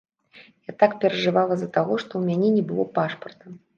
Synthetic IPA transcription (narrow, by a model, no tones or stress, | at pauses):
jat̪akpʲɛɾɐʐɨvalˠɐzɐt̪aɣɔʂt̪ɔwmʲanʲɛnʲɛbɨlˠɔpaʂpɐrt̪ɐm